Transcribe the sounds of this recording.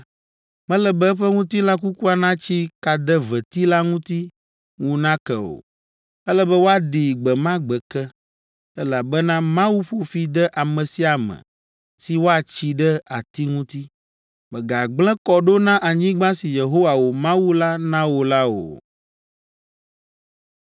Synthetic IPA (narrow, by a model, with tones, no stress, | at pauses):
mɛ̃˦lɛ˦bɛ˦ɸɛ˦ŋũ˦t̪i˦la˦k̬u˦ku˦a˨nã˦t͡ɕi˦ka˨d̪ɛ˦vɛ˨t̪i˦la˦ŋũ˦t̪i˦ | ŋũ˦nã˦kɛ˨o̰˨ | ɛ˦lɛ˦bɛ˦wo˦a˦ɖi˨ɡ͡bɛ˨mã˦ɡ͡bɛ˨kɛ˦ | ɛ˦la˨bɛ˦nã˦mã˦wu˦ɸo˨fi˨d̪ɛ˦ʔa˨mɛ̃˨si˦a˨mɛ̰̃˨ | si˨wo˦a˨t͡ɕi˨ɖɛ˦a˨t̪i˦ŋũ˦t̪i˦ | mɛ˨ɡa˨ɡ͡blɛ̃˦kɔ˨ɖo˦nã˦ʔa˨ɲĩ˦ɡ͡bã˦si˨je˨ɦo˦wa˨wo˨mã˦wu˦la˦nã˦wo˨la˦wo̰˨